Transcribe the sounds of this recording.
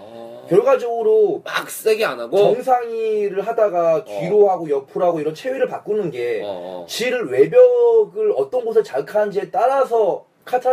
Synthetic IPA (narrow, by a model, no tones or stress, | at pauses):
kjʌɭɡad͡ʑʌɡɯɾomak̚s͈eɡianaɡoʌŋs̬ʰaŋiɾɯɭɦadaɡakɥiɾoɦaɡojʌpʰuɾɦaɡoiɾʌnt͡ɕʰeɥiɾɯɭpak͈unɯnɡe̞t͡ɕiɾɯɭwe̞bjʌɡɯɭʌt͈ʌnɡos̬ʰet͡ɕaɭkʰand͡ʑiet͈aɾasʰʌ | kʰatʰa